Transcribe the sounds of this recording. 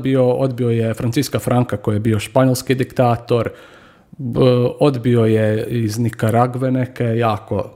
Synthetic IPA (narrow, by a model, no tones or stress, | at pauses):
bioo̞d̪biojefɾant̪siskafɾʔaŋkako̞jjebioʃpaɲolʲˠskid̪ikt̪aːt̪o̞ɾ | o̞d̪bio̞jeiznikaɾaɡʋenekejaːko̞̰